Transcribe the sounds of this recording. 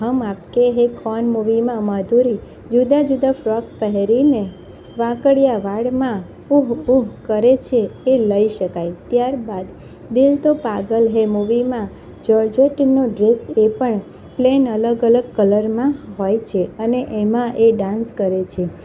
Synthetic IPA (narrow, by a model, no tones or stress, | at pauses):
ɦəmapkeɦekʰɔnmuʋimãməd̪ʱuɾi | d͡ʒud̪ad͡ʒud̪afɾɔk̚pəɦeɾine | ʋãkəɽjaʋaɽmã | uɦuɦkəɾet͡ʃʰeeləiʃəkajt̪jaɾbad̪ | d̪ɪlt̪opaɡəlɦemuʋimã | d͡ʒəɾd͡ʒeʈnoɖɾesepəɳ | plenələɡələɡkələɾmãɦojt͡ʃʰeəneʔemãʔeɖãnskəɾet͡ʃʰe